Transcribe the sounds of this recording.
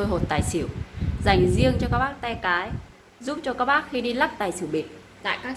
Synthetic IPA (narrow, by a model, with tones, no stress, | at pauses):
so˧jɦo˨˩t̚t̪aː˨˩jsi˧˩əwza˧˩jŋ̟zi˧əŋt͡ɕɔ˧kaː˦˥k̚ɓaː˦˥k̚t̪ɛ˧kaː˨˦j | zu˦˥p̚t͡ɕɔ˧kaː˦˥k̚ɓaː˦˥k̚xi˧ɗi˧la˦˥k̚t̪aː˨˩jsɨ˧˩wɓi˨˩ət̚ | t̪a̰ː˧˨jkaː˦˥k̚